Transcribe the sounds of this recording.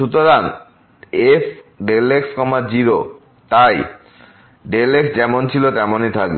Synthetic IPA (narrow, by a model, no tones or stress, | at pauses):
ʃut̪oɾan | efɖelekskɔmad͡ʑiɾo | t̪aj | ɖeleksd͡ʑɛmont͡ɕʰilot̪ɛmonit̪ʰak̚be